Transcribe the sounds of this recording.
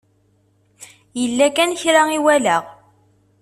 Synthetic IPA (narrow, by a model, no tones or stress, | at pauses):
jəlːækænçɾaiwælæʁ